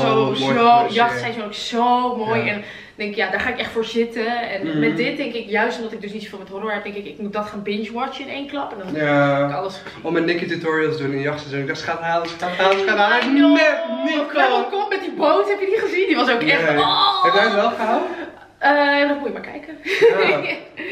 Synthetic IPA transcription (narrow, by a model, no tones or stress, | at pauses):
soojɑxtsɛjsonoksomoːjɛn | dɛŋkɪkjadarχaːɪkɛxtfoːrsɪtəɛnmɛtdɪt̚dɪŋkɪkjœɥstɔmdɔtɪk̚døsnitso̥fiːlˠmɛthoroʋatɪŋkɪkɪkmut̚dɔtχanbɪnt͡ʃwɔt͡ʃjənḛːnklɑpəndɔnkɔləs | ɔmənːɪkitutɔɹiəlˠtdunɪnjɑxtsɛsonɪk̚dɔsχataːləsfataləsfaa | kɔkomɛt̚diboːthɛpjəniχəzindiʋɔsoːkɛɛfɛjtʋɛlˠχəawə | əjadɔtmuəjəmaɹkʰɛ̰jkə